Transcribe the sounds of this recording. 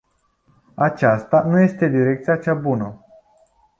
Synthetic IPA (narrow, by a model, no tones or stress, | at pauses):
at͡ʃast̪anuje̞st̪e̞d̪iɾe̞k̚t̪sijat͡ʃabunə